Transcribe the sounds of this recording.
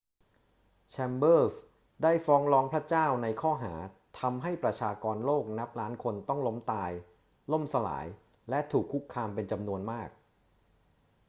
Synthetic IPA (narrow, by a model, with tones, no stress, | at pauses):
t͡ɕʰɛ˧mbɤː˥˩s | daː˥˩jfɔː˦˥ŋɾɔː˦˥ŋpʰɾa˦˥t͡ɕaː˥˩wna˧jkʰɔː˥˩ɦa̰ː˩˦t̪ʰa˧mɦa˥˩jpɾa˧t͡ɕʰaː˧kɔː˧nloː˥˩k̚na˦˥p̚ɾaː˦˥nkʰo˧nt̪ɔ˥˩ŋlo˦˥mt̪aː˧j | lo˥˩msa˧la̰ː˩˦j | lɛ˦˥t̪ʰuː˨˩kʰːu˦˥kʰːaː˧mpe˧nt͡ɕa˧mnu˧ənmaː˥˩k̚